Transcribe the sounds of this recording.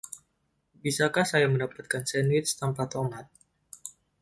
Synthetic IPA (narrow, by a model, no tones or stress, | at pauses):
bisakahsajaməndapat̪̚kansɛnwɪt̪̚st̪ampat̪ɔmat̪̚